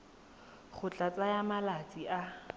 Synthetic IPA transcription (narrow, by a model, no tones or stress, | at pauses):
χʊt͡ɬʼat͡sʼajamalat͡sʼia